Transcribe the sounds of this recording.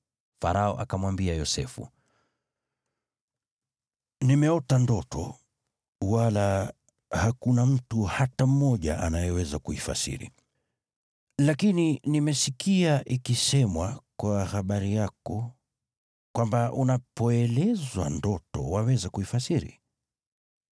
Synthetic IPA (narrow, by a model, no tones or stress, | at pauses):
faɾaɔ̰ʔa̰kamwambiajɔsɛfṵ | nimɛɔtandɔtɔ̰ | wala | hakunam̩tuhatam̩ːɔʄaʔa̰najɛwɛzakuifa̰sḭɾḭ | lakininimɛsikiaʔikisɛmwakwahaɓaɾijakɔ | kwambaʔunapɔɛlɛzwa̰ndɔtɔ̰wawɛzakuifasiɾḭ